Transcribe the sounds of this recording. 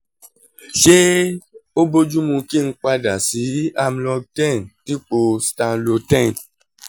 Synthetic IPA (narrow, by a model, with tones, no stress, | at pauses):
ʃe˦o˦bo˦d͡ʒu˦mũ˧ki˦˨n̩˧k͡pa˧da˨si˨˦a˧m̩˦lɔ˧tɛ̃˦˨nti˦k͡po˧stã˧nlo˧tɛ̃˦˨n